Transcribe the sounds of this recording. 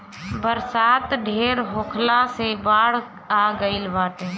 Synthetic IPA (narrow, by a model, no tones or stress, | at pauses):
bəɾsaːt̪ɖʱeːɾɦoːkʰlasebaːɽ̤ | aɡəɪlʋaːt̪ẽː